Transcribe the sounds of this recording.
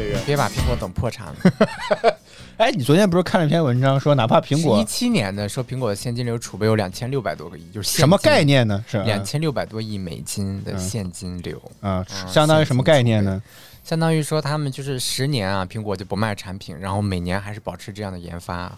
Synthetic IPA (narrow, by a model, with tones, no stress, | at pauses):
pjɛ˥pa̰˨˩pʰi˧˥ŋkwɔ˧˥t̪ɤ˨˩ŋpʰwɔ˥˩ʈ͡ʂʰɑ̰˧˥ŋ | e˥ɪni˨˩t͡swɔ˧˥t̪ʰjɛ˥pkʰa˥˩n˧˥˩pʰɛ˥nwə˧˥nʈ͡ʂɑ˥ŋʂwɔ˥na˧˥pʰa˥˩pʰi˧˥ŋkwɔ˧˥i˥t͡ɕʰi˥njɛ˧˥nd̪ə˧ʂɻpʰi˧˥ŋkwɔ˨˩ə˦ɕjɛ˥˩nt͡ɕi˥nljo˧˥ʊʈ͡ʂʰu˨˩pe˥˩jo˧˥ʊjɑ˨˩ŋt͡ɕʰjɛ˥nljo˥˩ʊpa˨ɪt̪wɔ̰˥ɡə˧i˥˩t͡ɕjo˥˧ʊʂ̩ɻɕʂɛ˥ə˧˥mə˧ka˥˧ɪnjɛ˥˩nːə˩ʂɻ̩˥˩ljɑ̰˨˩ŋt͡ɕʰjɛ˥nljo˥˩pa˨˩ɪt̪wɔ˥i˥˩mḛ˨˩ɪt͡ɕi˥nd̪ə̰˨ɕjɛ˥˩nt͡ɕi˥nljo̰˧˥ʊ˥˧˥ɕjɑ˥ŋɑ˥ŋ˧˥ʂə˧˥mə˧ka˥˧ɪnjɛ˥˩nː˩ə˩ | ɕjɑ˥ŋd̪ɑ˥ŋy˧˥ʂwɔ˥t̪ʰa˥mə˨nt͡ɕjo˥˧ʊʂɻ̩˥˩ʂɻ̩˧˥njɛ˧˥nɐ˧pʰi˧˥ŋkwɔ˧˥t͡ɕjo˥˩ʊpma˥˩ɪʈ͡ʂʰa˧˥npʰḭ˨˩˦nɻa˧˥nxo˥˩ʊme˨˩ɪnjɛ˧˥nxa˧˥ɪʂɻ̩˥˩pɑ˨˩ʈ͡ʂʰɻ̩˧˥ʈ͡ʂɤ˥˧jɑ˥˩ŋd̪ə˩jɛ̰˧˥nfa̰˥˩